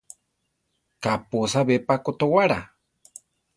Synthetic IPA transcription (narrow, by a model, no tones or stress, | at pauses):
kapʊsaβepakot̪owaɾa̰